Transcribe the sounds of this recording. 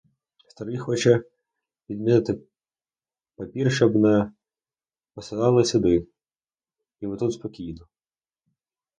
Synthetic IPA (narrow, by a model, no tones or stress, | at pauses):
st̪ɐɾɨjxɔt͡ʃɛ | pʲid̪ʲmʲinɪt̪ɪ | pɐpʲirʃɔbnɐ | pɔsɐd̪ɑlˠɪsʲɪd̪ɪ | imɪt̪ut̪spɔkʲijnɔ